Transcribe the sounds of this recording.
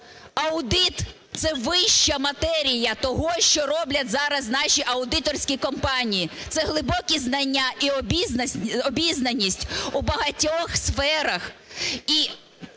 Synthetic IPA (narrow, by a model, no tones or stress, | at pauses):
ɐʊd̪ɪt̪ | t̪sɛʋɪʃt͡ʃɐmɐt̪ɛɾʲijɐt̪ɔɦɔʃt͡ʃɔɾɔblʲɐtʲzɑɾɐznɑʃiʔɐʊd̪ɪt̪ɔrsʲkʲikɔmpɑnʲijit̪sɛɦlˠɪbɔkʲiznɐnʲːaiɔbʲiznɐɔbʲiznɐnʲːisʲtʲubɐɦɐtʲɔxsfɛɾɐxi